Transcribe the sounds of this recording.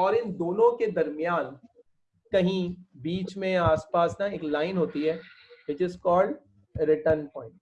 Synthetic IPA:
ɔːɾɪ̃nd̪oːnõked̪ɐɾmɪjaːn | kɐɦĩbiːt͡ʃmẽaːspaːsnaeːklaːɪnɦoːt̪iɦɛː | ʋɪt͡ʃɪzkɔːlɖ | ɾɪʈəɾnpɔ̃ːɪ̃ɳʈ

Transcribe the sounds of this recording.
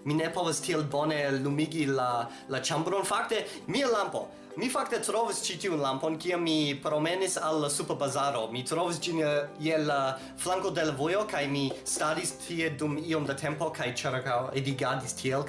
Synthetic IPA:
minepo̞vastʰielbo̞ne̞lumiɡila | lat͡ʃambɾonfakte̞ | mialampo̞̰ | mifaktetɾovist͡ʃitiunlampo̞nkiamːipɾomenisalːasupabazaɾo̞mitɾovis̬d͡ʒinjela | flaŋkode̞lavojo̞kajmistaɾistʰiedumio̞mdatʰe̞mpo̞kʰajt͡ʃiɾkawediɡadistʰiel

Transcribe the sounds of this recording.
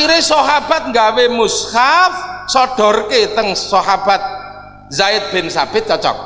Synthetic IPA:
iɾɪsɔɦab̥a̤t̪̚ŋɡawemushafsɔɖ̥ɔ̤rket̪əŋsɔɦab̥at̪̚ | zaɪt̪̚b̥e̤nsab̥ɪt̪̚t͡ʃɔt͡ʃɔ̰k̚

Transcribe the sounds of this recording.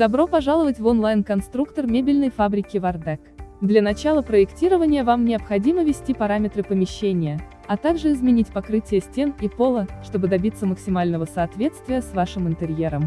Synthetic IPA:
d̪ɐbɾo̞pɐʐalˠəvətʲvonlˠajnkɐnst̪ɾukt̪ərmʲebʲɪlʲnəjfabɾʲɪkʲɪvɐrd̪ɛkd̪lʲɐnɐt͡ɕalˠəpɾəɪktʲiɾəvənʲɪjəvamnʲɪɐpxɐdʲiməvʲɪsʲtʲipɐɾamʲɪt̪ɾɨpəmʲɪɕːenʲɪjə | ɐt̪aɡʐɨɪzmʲɪnʲitʲpɐkɾɨtʲɪjəsʲtʲe̞nipo̞lˠəʂt̪o̞bɨd̪ɐbʲit̪sːəməksʲɪmalʲnəvəsɐːt̪vʲe̞t̪st̪vʲɪjəsvaʂɨmɨnt̪ɨɾʲjeɾəm

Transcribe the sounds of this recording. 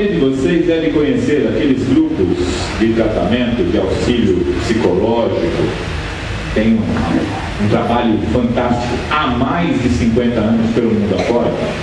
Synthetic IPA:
ẽd͡ʒɪvosezd̪ɛvɪ̃kõɲeseɾakelɪzɡɾupʊz | d͡ʒɪt̪ɾat̪a̰mẽnt̪ʊdɪawsiʎʊpsikolɔʒikʊ | t̪ẽj̃ũ | ũt̪ɾabaʎʊfɐ̃nt̪ast͡ʃi̥kʊamajzd͡ʒɪsĩŋkwẽnt̪ɐɐ̃nʊspelʊmũd̪ʊafɔɾt̪ɐ

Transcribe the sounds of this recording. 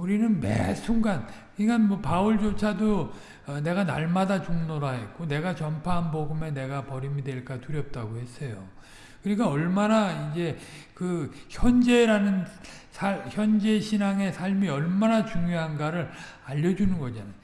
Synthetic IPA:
uɾinɯnmḛsʰuŋɡan | iɡanmwʌpauɭd͡ʑot͡ɕʰado | ne̞ɡana̰ɭmadat͡ɕoŋnoɾaɦet̚k͈one̞ɡat͡ɕʌmpʰaɦanboɡɯme̞ne̞ɡapʌɾimidwe̞ɭk͈atuɾjʌp̚t͈aɡohe̞s͈ʌjo | kɯɾik͈aʌɭmanaid͡ʑe̞ | kɯçjʌnd͡ʑe̞ɾanɯn | sʰaçjʌnd͡ʑe̞ɕʰinaŋe̞sʰaɭmiʌɭmanat͡ɕuŋjoɦanɡaɾɯɾaʎːʌd͡ʑunɯnɡʌd͡ʑana

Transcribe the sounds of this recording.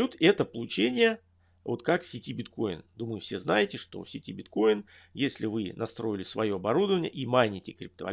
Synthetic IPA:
ut̪ɛt̪əpəlˠʊt͡ɕenʲɪjə | vo̞t̪kaksʲɪtʲibʲɪt̪ko̞jɪ̰nd̪uməjʊfsʲe̞znajɪtʲɪʂt̪o̞̰sʲɪtʲibʲɪt̪ko̞jɪn | jesʲlʲɪvɨnɐst̪ɾo̞jɪlʲɪsvɐjo̞ɐbɐɾud̪əvənʲɪjəʔimanʲɪtʲɪkɾʲɪp̚t̪əvɐ̰

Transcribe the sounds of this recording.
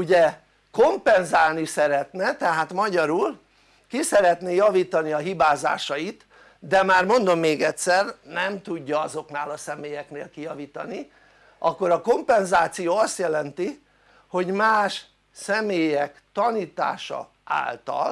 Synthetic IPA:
uɟɛ | ko̞mpɛnzaːlnisɛɾɛt̪nɛt̪ɛɦaːt̪mɒɟɒɾul | kisɛɾɛt̪neːjɒviːt̪ɒniɒɦibaːza̰ːʃɒjit̪ | d̪ɛmaːrmo̞nd̪o̞mːeːɡɛtʲsɛrnɛmt̪uɟːɒɒzo̞knaːlɒsɛmeːjɛkneːlkijɒviːt̪ɒ̰ni | ʔɒkːo̞ɾɒko̞mpɛnzaːt̪sijoːɒst̪jɛlɛnt̪i | ho̞ɟmaːʃ | sɛmeːjɛkt̪ɒniːt̪a̰ːʃɒ̰ | a̰ːlt̪ɒ̰l

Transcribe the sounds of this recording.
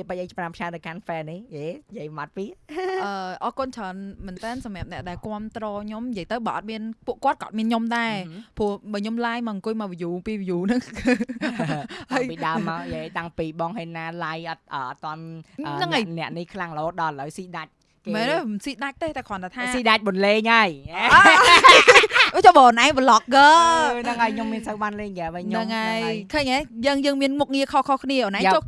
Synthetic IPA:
iəpəʔəjt͡ɕprampʰawnɨwkʰanfɛniheːjiəjmat̪̚piəʔəːʔɑːkont͡ɕʰəːnməːnt̪ɛːnsɑmjiəp̚nɛ̆əʔɗaɛlkoəmt̪rɔːɲomjəjt̪əwɓaːʔɑt̪̚miənpuəʔkŏət̪̚kɑ̰ːt̪̚miənɲomɗaɛpuəhɓaːɲomlajmaːŋkuəjmaʋijuːpiːʋijuːnɨŋ | həjpiɗaəmːaɔʔeːt̪aŋpiːɓɑːŋɦeːnnːaːlajʔɑt̪̚ʔəːʔt̪ːŏənʔəːnɨŋʔəjnɛ̆əʔnihkʰlaŋləʔoːɗɑaləwsiːɗac̚ | mɛːnomnsiːɗac̚t̪eːt̪akʰŏənt̪ʰat̪ʰaːsiːɗac̚ɓonleːɲəəj | ət͡ɕɔɓəːʔonʔaɛŋʋəlɑk̚ɡəːnɨŋʔaɔjɲomːiənsəwɓaːnleːɲkaʋəjnɲnɨŋʔəjkʰəːɲʔəjəːŋjəːŋmiənmuk̚ŋiəkʰɔhkʰɔhkʰniəʔoːnʔao

